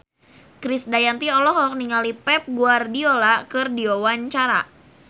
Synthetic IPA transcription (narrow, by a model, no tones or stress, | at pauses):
kɾɪsdajant̪iɔlɔɦɔk̚niŋalipɛp̚ɡuardiolakɨrdiowaɲt͡ʃaɾa̰